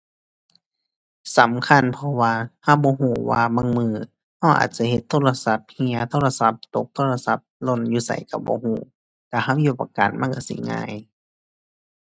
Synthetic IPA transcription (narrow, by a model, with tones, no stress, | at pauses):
sa˨˦mkʰa˧˥˨npʰɔ˧waː˧ha˧˥˩wbɔː˧˦ɦuː˧˩waː˧ma˧˥˨ŋmɯː˧˩ | ha˧˩wʔa̰ː˨˩t̪̚t͡ɕa˧he˧˦t̪ʰːoː˧˨la˧sa˧˦p̚hi˧ɐt̪ʰoː˧˥˨la˧sa˧˦p̚t̪o˧˦k̚t̪ʰoː˧˨la˧sa˧˦p̚lo˧˨njuː˧sa̰˨˩˦jka˧˩bɔ̰ː˧˦huː˧˩ | ka˧˩ha˧˥˩wjuː˧˩pa˧˨kaː˨nma˧˥˨ka˧˩sḭ˧˦ŋa̰ː˧˨j